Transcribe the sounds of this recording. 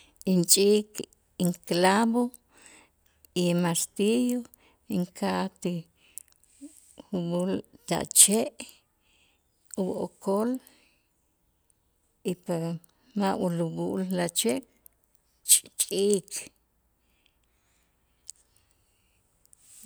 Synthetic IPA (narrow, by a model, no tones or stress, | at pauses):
int͡ʃʼik | iŋklabo | imast̪ijo | iŋkʰat̪i | uɓult̪a̰ʔt͡ʃeʔ | ubʔokʰol | ipa | mawuluɓuʔllat͡ʃeʔ | t͡ʃʼt͡ʃʼiːk